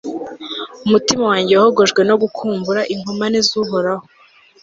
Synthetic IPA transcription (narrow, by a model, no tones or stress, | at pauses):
umutimawaːɲɟewahoɡo̞ʒɡwe̞no̞ɡukʰuːmbuɾaʔiŋomanizuɦoɾaho